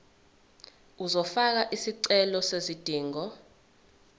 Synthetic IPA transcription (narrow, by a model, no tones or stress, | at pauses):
uzɔfak̬aʔisiǀɛlɔsezid̥ʱiːŋɔ